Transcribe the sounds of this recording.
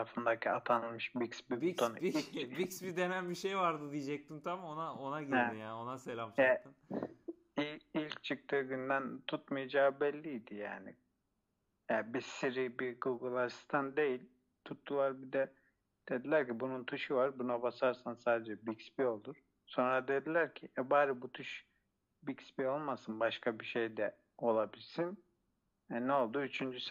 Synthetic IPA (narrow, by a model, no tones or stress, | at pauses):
ɾafɯnd̪acʰiat̪ʰanɯlˠmɯʃbiksbit̪ʰoniksbid̪e̞nænbiʃejvaɾd̪ɯd̪ijd͡ʒɛc̚t̪imt̪ʰamonaonaɟidijaːno̞naselʲamt͡ʃʰɛt̪ɯn | iilʲct͡ʃʰɯk̚t̪ʰɯɡynd̪ænt̪ʰut̪majad͡ʒaːbɛlʲːijd̪ija̰ːnɪ̰ | jabisiɾibiɡuɡɯlˠaɾsi̥st̪ʰand̪e̞jilʲ | t̪ʰut̪ʰːulˠaɾbid̪ɛ | d̪̥e̞d̪ilʲæɾcibununt̪ʰuʃɯvaɾbunabasaɾsansaːd̪ed͡ʒɛbikspio̞lˠuɾ̥ | so̞nɾad̪e̞d̪ilʲæɾcʰiɛbaːɾibut̪ʰuʃ | bicsbio̞lˠmasɯnbaʃkʰabiʃe̞jd̪ɛ | o̞lˠabilʲsin | ɛnɛo̞lˠd̪uyt͡ʃʰynd͡ʒys